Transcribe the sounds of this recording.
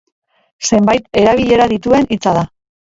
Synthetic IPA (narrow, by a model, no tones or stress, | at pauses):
se̞mbajt̪e̞ɾaβ̞iʎe̞ɾaðit̪ue̞nit͡saða